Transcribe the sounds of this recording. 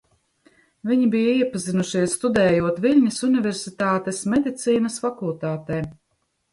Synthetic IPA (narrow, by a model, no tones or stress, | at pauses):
viɲibijaiɛpazinuʃiɛsst̪ud̪ɛːjuɔt̪vilʲɲisunivʲɛɾsit̪aːt̪esmed̪it̪siːnɐsfakulˠt̪aːt̪ɛː